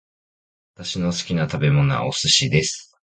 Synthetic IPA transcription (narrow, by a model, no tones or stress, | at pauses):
at̪aɕino̞sɨ̥kʲinat̪abe̞mo̞no̞̰a̰ʔosɨɕid̪e̞sɨ̥